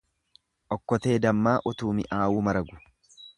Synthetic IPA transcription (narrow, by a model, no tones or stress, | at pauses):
ʔɔkːɔt̪e̞ːd̪ɐmːaːʔʊt̪uːmɪʔaːwuːmɐɾɐɡʊ̥